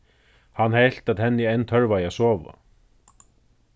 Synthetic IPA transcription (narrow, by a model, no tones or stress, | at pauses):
hanːhejl̥t̪at̪hɛnːɪejnt̪ʰœɹvajasɔːʋa̰